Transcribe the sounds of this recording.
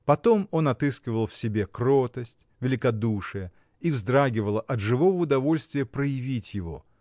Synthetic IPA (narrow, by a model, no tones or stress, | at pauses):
pɐt̪o̞mo̞nɐt̪ɨskʲɪvəlˠfsʲɪbʲe̞kɾot̪əsʲtʲvʲɪlʲɪkɐd̪uʂɨjə | ivzd̪ɾaɡʲɪvəlˠəʔɐt̪ʐɨvo̞vəʊd̪ɐvo̞lʲst̪vʲɪjəpɾəjɪvʲitʲjɪvo̞̰